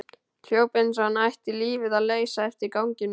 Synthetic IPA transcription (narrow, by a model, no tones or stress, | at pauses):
l̥joːwpejnsaanajht̪ɪliːvɪðaðleːjsaɛft̪ɪɾkawŋcɪn